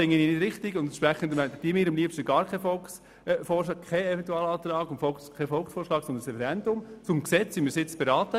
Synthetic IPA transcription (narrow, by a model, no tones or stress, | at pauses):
ɪŋːəninɪdɾɪχtɪɡʊndɛnʃpɾɛχən̩dəmɛd̥imɪːɾɑmliəpʃtəɡɑːɾkʰɛfɔlks | fɔːɾʃlɑːk̚kʰɛɛvɛnt̪uɑːlɑːt̪rɑːɡʊntfɔlskʰɛfɔlˠksfɔːʂʃlɑːksɔndənsɾɛfɛɾɛndʊmt͡sʊmksɛt͡simiːɾsɪt͡sb̥eɾɑːt̪ə